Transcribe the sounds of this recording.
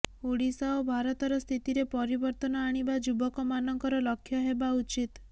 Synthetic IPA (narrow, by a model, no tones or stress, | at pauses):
oɽisaobʱaɾɔt̪ɔɾɔst̪ʰit̪iɾepɔɾibɔɾt̪ɔnɔaɽ̃ibad͡ʒubɔkɔmanɔŋkɔɾɔlɔkʰːjɔɦebaut͡ʃit̪